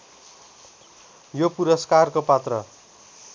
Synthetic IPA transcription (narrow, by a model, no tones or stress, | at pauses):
jopuɾʌskarkopat̪rʌ̰